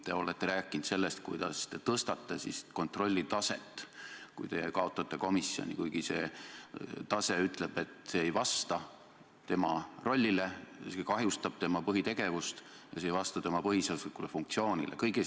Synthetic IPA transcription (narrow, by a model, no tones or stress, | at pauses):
t̪e̞o̞let̪ːe̞ɾæːkːˑint̪se̞lːest̪̚kujd̪ɑ̰st̪e̞t̪ɤst̪ɑt̪ːesisko̞nt̪ro̞lʲːit̪ɑse̞̰t̪ːˑkṵjt̪e̞jḛkɑo̞t̪ːˑɑt̪ːˑe̞ko̞misio̰nʲḭkujɡ̥ise̞̰ | t̪ɑse̞yt̪ˑle̞b̥e̞t̪seːejvɑst̪ɑ | t̪e̞mɑro̞lʲːile̞sekɑɦjust̪ɑb̥̚t̪e̞mɑpɤɦit̪e̞ɡe̞vust̪ | jɑ̰sejvɑst̪ɑt̪e̞mɑpɤɦiseslikːulefuŋkt̪sio̞ːnilḛkɤjɡe